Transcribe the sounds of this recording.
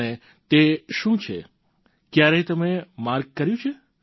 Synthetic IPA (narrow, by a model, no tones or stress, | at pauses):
ne | t̪eʃũt͡ʃʰḛ | kjaɾɛt̪əmemaɾɡ̚kəɾjũt͡ʃʰe